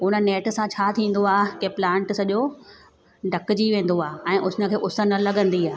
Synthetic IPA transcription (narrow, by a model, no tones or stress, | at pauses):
ɦʊnə̆neːʈsãt͡ɕʰaːt̪ʰĩːn̆d̪oaːɦkeːplãːɳʈsɐʄo | ɖʱɐkd͡ʑiʋẽːn̆d̪oaːɦeɛ̃ːʔʊnə̆kʰeːʔʊsə̆nɐlɐɡə̃nd̪iaːɦ